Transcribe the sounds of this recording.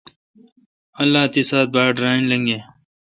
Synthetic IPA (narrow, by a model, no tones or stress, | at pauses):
ɐlːaːt̪isaːt̪̚baːɖɾaːinlɐŋɡeː